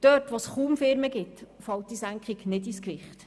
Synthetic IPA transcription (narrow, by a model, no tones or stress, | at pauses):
d̥œtʋosχuːmfɪɾməɡɪtfɑwt̚d̥isæŋkχiɡnɪdiskʋɪχt̪